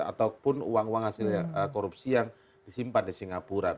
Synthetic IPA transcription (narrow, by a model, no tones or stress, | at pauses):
a̰t̪awpʊnṵwaŋwaŋhasiləkoɾupsijaŋ | d̥isimpadisiŋapuɾa